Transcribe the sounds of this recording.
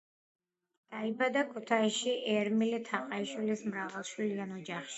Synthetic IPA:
d̪̥aibad̪akʰut̪ʰaiʃiʔɛɾmilit̪ʰaqʼaiʃwilismɾavalˠʃwilianɔd͡ʒaχʃi̥

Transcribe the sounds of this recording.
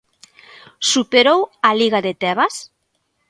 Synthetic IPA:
supeɾowaliɣaðet̪ɛβas

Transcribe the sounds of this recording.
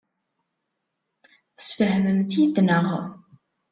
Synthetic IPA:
θə̥sfəhməmt̪jid̪nəʁə̰

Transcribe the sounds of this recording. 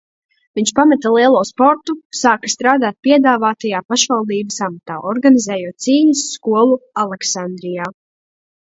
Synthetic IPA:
viɲt͡ʃpamɛt̪alˠiɛlˠuːspɔɾt̪usaːkḁst̪ɾaːd̪aːt̪̚piɛd̪aːvaːt̪ajaːpaʃvalˠd̪iːbəsamat̪aːʔɔɾɡanizɛːjuɔt̪̚siːɲusːkuɔlˠualˠɛksand̪ɾijaː

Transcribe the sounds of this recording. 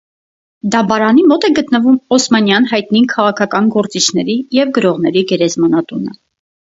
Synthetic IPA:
d̪ɑbɑɾɑnimɔt̪ɛɡət̪nəvumɔsmɑnjɑnɦɑjt̪nikʰɑʁɑkʰɑkɑnɡɔɾt͡sit͡ʃʰnɛɾijɛvɡəɾɔʁn̪ɛɾiɡɛɾɛzmɑnɑt̪unə

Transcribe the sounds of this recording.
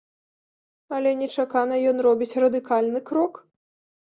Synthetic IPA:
ɐlʲɛnʲɛt͡ʂakanɐjɔnrɔbʲit͡sʲrɐd̪ɨkalʲnɨkɾɔk

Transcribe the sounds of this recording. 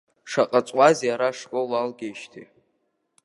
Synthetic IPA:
ʂaqʼat͡sʷʼwazjaɾaʂkʼolalɡʲejʃtʰi

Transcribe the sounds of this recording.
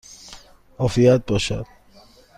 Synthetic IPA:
ɔfiat̪̚bɔʃa̰d̪̥̚

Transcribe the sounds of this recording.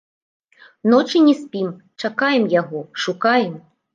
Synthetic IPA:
nɔt͡ʂɨnʲɛsʲpʲim | t͡ʂakajɛmjaɣɔʂukajɛm

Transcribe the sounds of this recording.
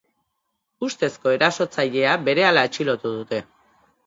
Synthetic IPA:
ust̪e̞sko̞e̞ɾaso̞t͡saʎe̞abe̞ɾe̞alae̞t͡ʃilo̞t̪uðut̪e̞

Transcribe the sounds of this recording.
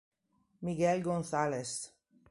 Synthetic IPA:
miɡɛlɡonθales

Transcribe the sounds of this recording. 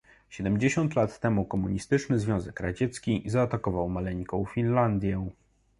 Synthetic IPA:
ɕɛd̪ɛmd͡ʑeɕɔ̃nt̪lat̪ːɛmukɔmuɲist̪ɘt͡ʂnɘzvʲjɔ̃w̃zɛkɾad͡ʑɛt̪skʲizaːt̪akɔvawmalɛɲkɔ̃w̃fʲinland̪ʲjɛ

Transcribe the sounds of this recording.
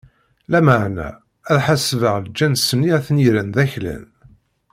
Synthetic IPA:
læməʕnæ̰ | æðħasvəʁld͡ʒːænsənːiæθniɾænðæçlæ̰n

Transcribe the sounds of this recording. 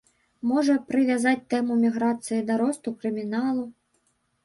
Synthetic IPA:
mɔʐɐpɾɨvʲazat͡sʲt̪ɛmumʲiɣɾat̪sɨjid̪aɾɔst̪ukɾɨmʲinalˠu

